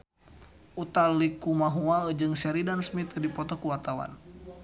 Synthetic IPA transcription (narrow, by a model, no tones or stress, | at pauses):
ʔut̪alikumaɦuaəd͡ʒɨŋsɛɾidansmit̪dipɔt̪ɔkuwart̪awa̰n